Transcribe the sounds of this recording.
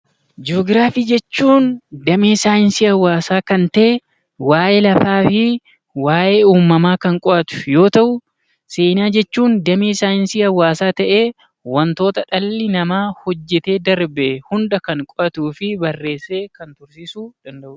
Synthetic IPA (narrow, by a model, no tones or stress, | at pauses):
d͡ʒoːɡɪɾaːfiːd͡ʒɛt͡ʃːuːnd̪ɐmeːsaːɪnsɪɐwːaːsaːkɐnt̪ɐʔe | waːʔeːlɐfaːfɪ | waːʔeːuːmːɐmaːkɐŋkʼɔʔɐt̪ʊ̥jo̞ːt̪ɐʔʊ | seːnaːd͡ʒɛt͡ʃːuːnd̪ɐmeːsaːɪnsiɐwːaːsaːt̪ɐʔe̞ː | wɐnt̪o̞ːt̪ɐᶑɐlːɪnɐmaːhɔd͡ʒːɛt̪e̞ːd̪ɐɾbehʊnd̪ɐkɐŋkʼɔʔɐt̪uːfɪbɐrːe̞ːsːe̞ːkɐnt̪ʊɾsiːsuːd̪̥ɐnd̪ɐʔʊ